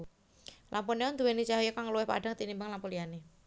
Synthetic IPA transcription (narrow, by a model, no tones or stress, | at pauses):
lʔampuneɔnd̪uwenit͡ʃaɦojɔkaŋluwɛhpa̰d̥aŋt̪inimbəŋlampuliane